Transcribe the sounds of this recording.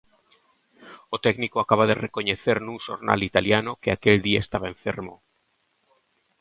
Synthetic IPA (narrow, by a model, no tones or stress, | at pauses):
ot̪ɛknikoakaβaðerekoɲeθeɾnũŋʃo̰ɾna̰lit̪aljanokeakeld̪iaest̪aβaeɱfeɾmo